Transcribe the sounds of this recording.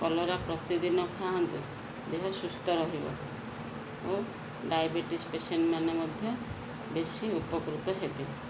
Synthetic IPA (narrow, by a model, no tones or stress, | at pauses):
kɔlɔɾapɾɔt̪id̪inɔkʰaɦɔnt̪u | d̪eɦɔsust̪ɔɾɔɦibɔ̰ | o | ɖajbeʈispeseɳʈmanɔmɔd̪ʱjɔ | besiupɔkɾut̪ɔɦebe